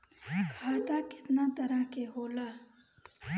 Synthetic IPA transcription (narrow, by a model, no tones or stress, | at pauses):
kʰaːt̪akɪ̥t̪naːt̪ɐɾəɦkeɦoːlaː